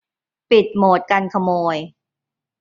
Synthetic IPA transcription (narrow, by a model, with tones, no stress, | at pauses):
pi˨˩t̪̚moː˨˩t̪̚ka˧nkʰa˧moː˧j